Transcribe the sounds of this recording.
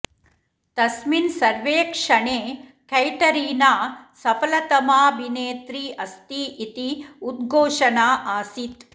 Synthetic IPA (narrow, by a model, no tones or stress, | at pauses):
t̪ɐsminsɐɾʋeːkʂɐɳeːkʰɐjʈɐɾiːnaːsɐpɐlɐt̪ɐmaːbʱineːt̪ɾiːɐst̪iʔit̪iud̪̚ɡʱoːʂɐnaːʔaːsit̪